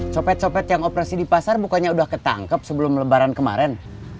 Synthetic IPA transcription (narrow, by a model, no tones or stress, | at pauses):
sopɛt̪̚sopɛt̪jaŋopəɾasidipasarbukaɲaudahkət̪a̰ŋkəp̚səbəlʊmləbaɾankəma̰ɾɛn